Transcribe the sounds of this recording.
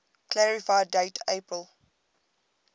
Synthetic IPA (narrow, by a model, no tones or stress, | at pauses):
kʰlæɹifaɪdeɪtʰepəl